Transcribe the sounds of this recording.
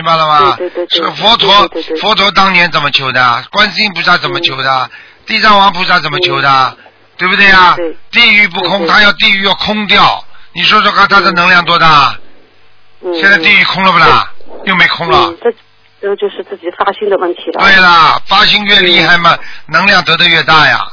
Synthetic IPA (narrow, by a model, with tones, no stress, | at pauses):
mi˧˥ŋba˧˩lə˩mɐ˧˥˧ʂ̩˥˧fwɔ˧˥t̪ʰwɔ˧˥˧fwɔ˧˥t̪ʰwɔ˧˥t̪ɑ˥ŋnjɛ˧˥nt͡sə˨˩nmə˦t͡ɕʰjo˧˥ʊd̪ə˧kwa˥nɕi˥ŋpu˧˩t͡sa˥˩t͡sə˨˩nmə˦t͡ɕʰjo˧˥ʊd̪ə˧ | t̪i˥˧t͡sa˥˩ŋwɑ˧˥ŋpʰu˧˥sa˥˩t͡sə˨˩nmə˦t͡ɕʰjo˧˥ʊd̪ə˧ | t̪we˥˩ɪbu˨t̪we˥˩ɪa˩˧t̪i˥˩y˧˥p̬u˥˧kʰʊ˥ŋt̪ʰa˥jɑ˥˧ʊt̪i˥˧y˧˥jɑ˥˩ʊkʰʊ˥ŋt̪jɑ˥˩ʊni˨˩ʂwɔ˥ʂwɔ˥˧kʰa˥˩nt̪ʰa˥d̪ə˧˩nɤ˧˥ŋljɑ˥˩ŋt̪̬wɔ˥t̪a˥˩˥ | ɕjɛ˥˧nt͡sa˥˧ɪt̪i˥˧y˧˥kʰʊ˥ŋlə˨ba˨˩ljo˥˩ʊme˧˥ɪkʰʊ˥ŋlə̰˨ʈ͡ʂ | ʈ͡ʂɤ˥t͡ɕjo˥˧ʊʂɻ̩˥˧t͡sɹ̩˥˩t͡ɕi˨˩fa˥ɕi˥ŋd̪ə˨˧wə˥˩nt̪ʰi˧˥l̰t̪we˥˩ɪlə˩fa˥ɕi˥ŋɥɛ˥˧li˥˧xa˥˩ɪmɐ˨˩nɤ˧˥ŋljɑ˥˩ŋt̪ɤ˧˥d̪ə˧ɥɛ˥˧t̪a˥˩ja̰˩